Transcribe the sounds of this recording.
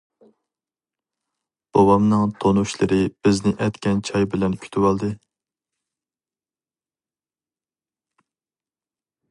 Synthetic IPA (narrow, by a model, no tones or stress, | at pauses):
b̥obɑmnɨŋt̪ʰonuʃlˠɨɾɨb̥ɪznɪʔɛt̪kʲɛnt͡ʃʰɑjbɪlɛnkʲʰy̥t̪ʰywɑlˠd̪ɨ